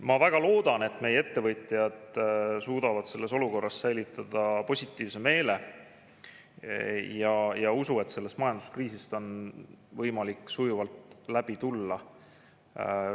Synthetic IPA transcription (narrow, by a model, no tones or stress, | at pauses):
mɑvæɡ̥ɑlo̞ːd̪̥ɑne̞t̪ːˑme̞jee̞t̪ːe̞vɤjt̪ˑjɑd̪̥suːd̪ɑvɑd̪̥se̞lːe̞so̞luko̞rːɑssæjlit̪ˑːɑd̪̥ɑpo̞sʲit̪ːˑiːvse̞me̞ːle̞ | jɑjɑusue̞t̪se̞lːe̞st̪mɑjɑnd̪u̥skriːsist̪o̞nvɤjmɑlikːˑsujuvɑlt̪læb̥it̪ulːɑ